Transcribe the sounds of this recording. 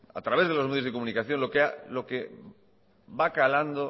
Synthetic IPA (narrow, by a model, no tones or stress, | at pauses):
a̰t̪ɾaβe̞zð̞elozme̞ð̞jozðekomũnikaθjo̞nlo̞kealo̞ke | bakaland̪o